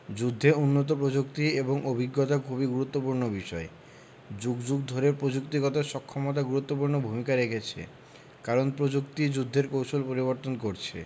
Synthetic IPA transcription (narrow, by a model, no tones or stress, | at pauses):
d͡ʑud̪ʱːeunːot̪̬op̬ɾod͡ʑukt̪ieboŋʔobʱiɡːɔt̪akʰubiɡuɾut̪ːopuɾnobiʃɔe | d͡ʑuɡd͡ʑuɡd̪ʱoɾeɾpɾod͡ʑuk̚t̪iɡɔt̪aʃɔkʰːɔmot̪̬aɡuɾut̪ːopuɾnobʱumikaɾekʰet͡ɕʰḛ | kaɾonpɾod͡ʑukt̪id͡ʑud̪ʱːeɾkowʃolpoɾiβoɾt̪onkoɾt͡ɕʰḛ